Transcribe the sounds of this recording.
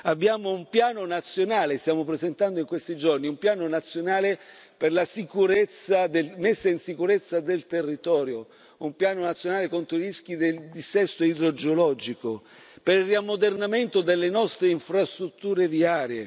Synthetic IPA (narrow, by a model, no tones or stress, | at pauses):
abːjaːmoumpjaːnonat̪sːjonaːlest̪jaːmopɾezent̪and̪oiŋkwest̪id͡ʒorniumpjaːnonat̪sːjonaːle | perlasikuɾet̪sːad̪elmesːainsikuɾet̪sːad̪elt̪erːit̪ɔːɾjo | umpjaːnonat̪sːjonaːlekont̪ɾoiɾisk̟id̪eld̪isɛst̪oid̪ɾod͡ʒeolɔd͡ʒiko | peɾirːiamːod̪ernament̪od̪elːenɔst̪ɾeiɱfɾast̪ɾut̪ːuːɾeviaːɾjḛ